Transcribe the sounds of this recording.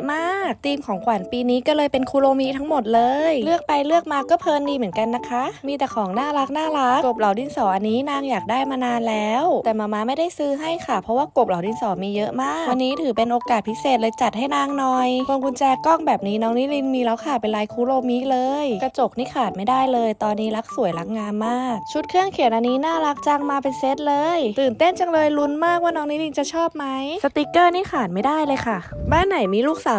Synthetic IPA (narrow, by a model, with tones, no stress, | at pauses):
maː˥˩k̚t̪iː˧mkʰɔː˩˦ŋkʰwa˨˩˦npiː˧niː˦˥kɔː˥˩lɤː˧jpe˧nkʰuː˦loː˧mi˦˥t̪ʰa˦˥ŋmo˨˩t̪̚lɤː˧jlɯ˥˩ək̚pa˧jlɯ˥˩ək̚maː˧kɔː˥˩pʰɤː˧ndiː˧mɯ˩˦nka˧nːa˦˥kʰa˦˥ʔmiː˧t̪ɛː˨˩kʰɔː˨˩˦ŋnaː˥˩ɾa˦˥k̚naː˥˩ɾa˦˥kko˨˩p̚la˩˦wdi˧nsɔː˩˦ʔa˧nːiː˦˥naː˧ŋjaː˨˩k̚daː˥˩jmaː˧naː˧nlɛː˦˥wt̪ɛː˨˩maː˧maː˧ma˥˩jda˥˩jsɯː˦˥ɦa˥˩jkʰa˥˩pʰɾɔ˧˦˥waː˥˩ko˨˩p̚la˨˦wdi˧nsɔː˩˦miː˧jɤ˦˥ʔmaː˥˩k̚wa˧nːiː˦˥t̪ʰɯː˩˦pe˧nʔoː˧kaː˨˩t̪̚pʰi˦˥seː˨˩t̪̚lɤː˧jt͡ɕa˨˩t̪̚ɦa˥˩jnaː˧˩ŋnɔː˧jkʰo˧ŋkʰu˧nt͡ɕɛː˧kɔ˥˩ŋbɛː˨˩p̚niː˦˥nɔː˦˥ŋniː˦˥li˧nmiː˧la˧˥˩wkʰa˧˩pe˧nlaː˧jkʰuː˦˥loː˧miː˦˥lɤː˧jka˧t͡ɕo˨˩k̚niː˦˥˩kʰaː˨˩t̪̚ma˥˩jdaː˥˩jlɤː˧jt̪ɔː˧nːiː˦˥la˦˥k̚su˨˩˦jla˦˥k̚ŋaː˧mːaː˥˩k̚t͡ɕʰu˦˥t̪̚kʰɯ˥˩əŋkʰi˨˩˦nʔa˧nːiː˦˥naː˥˩la˦˥k̚t͡ɕa˧ŋmaː˧pe˧nse˦˥t̪̚lɤː˧jt̪ɯː˨˩nt̪e˥˩nt͡ɕa˧ŋlɤː˧jlu˧˥nmaː˥˩k̚waː˥˩nɔː˦˥ŋniː˦˥li˧nt͡ɕa˨˩t͡ɕʰɔː˥˩p̚ma˦˥jsa˧t̪iː˧˦˥kɤː˥˩niː˥˩xʰaː˨˩t̪̚ma˥˩jdaː˥˩jlɤː˧jkʰa˥˩baː˥˩nːa˨˩˦jmiː˧luː˥˩k̚saː˨˦